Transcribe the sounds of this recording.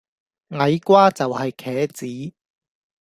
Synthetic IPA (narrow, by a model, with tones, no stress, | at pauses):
ŋɐ˨˧jkʷwaː˥t͡sɐ˨whɐ˨jkʰɛː˨˥t͡siː˨˥